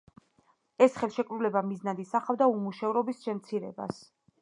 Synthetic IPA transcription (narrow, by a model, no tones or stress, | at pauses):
ɛsχɛlˠʃɛkʼɾulɛbamiznad̪isaχavd̪aumuʃɛvɾɔbisʃɛmt̪sʰiɾɛ̰ba̰s